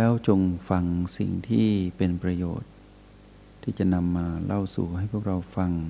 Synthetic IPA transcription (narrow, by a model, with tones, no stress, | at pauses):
lɛː˦˥wt͡ɕo˧ŋfa˧ŋsḭ˨˩ŋt̪ʰiː˥˩pe˧npɾa˧jo̰ː˨˩t̪̚ʰː | iː˥˩t͡ɕa˨˩ʔna˧mːaː˧lʔa˥˩wsuː˨˩ha˥˩jpʰu˥˩ək̚ɾa˧wfa˧ŋ